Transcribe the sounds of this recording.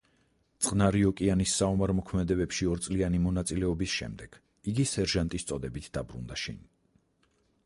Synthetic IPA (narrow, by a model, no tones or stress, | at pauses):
t̪sʼqʼnaɾiɔkʼianisːaumaɾmɔkʰmɛd̪ɛbɛpʃiɔɾt̪sʼlianimɔnat̪sʼilɛɔbisʃɛ̰md̪ɛɡ̥ | iɡisɛɾʒant̪ʼist̪sʼɔd̪ɛbit̪ʰd̪̥abɾṵnd̪aʃḭn